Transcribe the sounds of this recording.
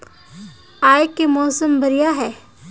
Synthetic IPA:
aːjkːemɔːsəmbɐɾijaɦɛː

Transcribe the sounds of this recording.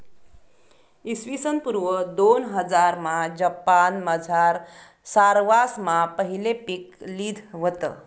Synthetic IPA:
isʋisənpuɾʋəd̪onɦəd͡zaɾmad͡ʑəpanməd͡zʱaɾ | saɾʋasmapəɦilepikliːd̪ʱʋət̪ə̰

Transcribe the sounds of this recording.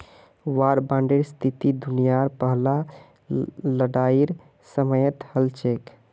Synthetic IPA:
waɾbãɳɖeɾst̪ʰit̪id̪unijaɾpəɦla | ləɽaiɾ | səməjət̪həlt͡ʃʰek

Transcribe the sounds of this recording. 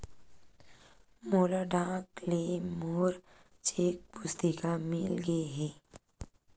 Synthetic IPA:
moːlaɖãːklemoːɾ | t͡ʃeːk̚pʊst̪ikamɪlɡeeɦɛː

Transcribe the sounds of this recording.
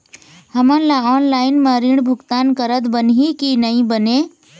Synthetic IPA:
həmənlaɔːnlaɪnmẽɾiɳ̃bʱʊɡt̪ankəɾət̪bənɦikinəĩbəne

